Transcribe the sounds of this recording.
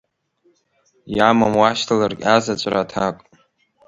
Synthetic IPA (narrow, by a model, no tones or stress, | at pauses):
jamamwaʃtʰalarɡʲazat͡ʃʷʼratʰakʼ